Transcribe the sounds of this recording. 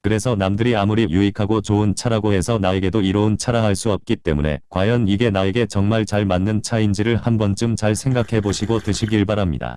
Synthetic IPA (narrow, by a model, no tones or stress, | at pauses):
kɯɾe̞sʰʌnamdɯɾiamuɾijuikʰaɡot͡ɕount͡ɕʰaɾaɡoe̞sʰʌnajeɡe̞doiɾʌunt͡ɕʰaɾaɦaɭs͈uʌp̚k͈it͈e̞̰mune̞̰kwajʌniɡe̞naeɡe̞t͡ɕʌŋmaɭt͡ɕaɭmanːɯnt͡ɕʰaind͡ʑiɾɯɭhambʌnt͡ɕ͈ɯmt͡ɕaɭsʰe̞ŋɡakʰe̞boɕʰiɡotɯɕʰiɡiɭbaɾamɲḭda̰